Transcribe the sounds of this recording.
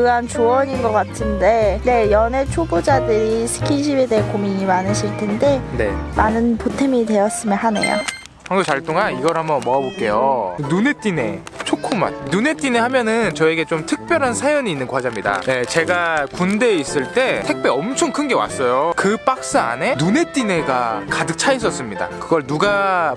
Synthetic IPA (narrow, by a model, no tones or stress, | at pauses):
kɯɦant͡ɕuʌɲinɡʌk͈atʰɯnde̞ne̞jʌnet͡ɕʰobod͡ʑadɯɾisʰɯ̥kʰinɕ̬ʰibe̞deʌkomiɲimanɯɕʰiɭtʰe̞nde̞ne̞̰manɯnpotʰemite̞jʌs͈ɯmjʌnɦanḛjo̰ | haŋɡot͡ɕaɭt͈oŋaniɡʌɾɦhamjʌnmʌabok͈e̞jonune̞t͈ine̞̰ | t͡ɕʰokʰuma̰nnune̞t͈inehamjʌnɯnt͡ɕʌe̞ɡe̞t͡ɕomtʰɯk̚p͈jʌɾɦansʰajʌɲiːnːɯnkwad͡ʑamɲida̰jet͡ɕe̞ɡakunde̞is͈ɯɭt͈e̞tʰe̞k̚p͈e̞ʌmt͡ɕʰoŋkʰɯnɡe̞wa̰s͈ʌjokɯp͈ak̚s͈ɯa̰ne̞nune̞t͈ine̞ɡakadɯk̚t͡ɕʰais̬͈ʌs͈ɯmɲida̰kɯɡʌɭnuɡa